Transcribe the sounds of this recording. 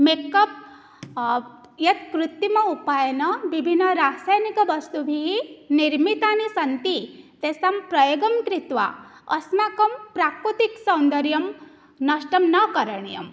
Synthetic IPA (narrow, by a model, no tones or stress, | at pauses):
mekɐp̚ | jɐt̪̚kɾut̪ːimɐupaːjɐnɐʋibʱinːɐɾaːsaːjnikɐʋɐst̪ubʱiɦiniɾmit̪aːnisɐnt̪it̪esampɾɐjoɡɐmkɾit̪ʋa̰ | ɐ̰smakɐmpɾaːkɾut̪iksɐ̃wnd̪ɐɾjɐm | nɐʃʈɐmnɐkɐɾɐɳijɐ̰m